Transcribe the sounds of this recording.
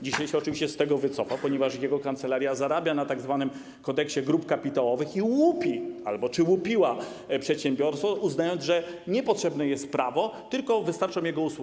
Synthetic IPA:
d͡ʑiɕajɕɛɔt͡ʂɨvʲiɕt͡ɕɛst̪ɛɡɔvɘt̪sɔfapɔɲɛvaʂjɛɡɔkant̪sɛlaɾʲjazaɾabʲjanat̪aɡzvanɘm | kɔd̪ɛkɕɛɡɾupkapʲit̪awɔvɘxiwupʲia̰lbɔt͡ʂɘwupʲiwa | pʂɛt̪ɕɛmbʲjɔɾsfɔuznajɔnd̪ʐɛɲɛpɔtʂɛbnɛjɛst̪̚pɾavɔt̪ɘlkɔvɘst̪aɾt͡ʂɔ̃mjɛɡɔuswu

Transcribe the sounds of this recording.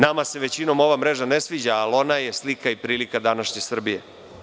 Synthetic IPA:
namase̞ʋe̞t͡ɕino̞mo̞ʋamɾeʒanesʋid͡ʑaːlo̞najeslikaipɾiːlikad̪anaʃɲe̞sr̩bije̞̰

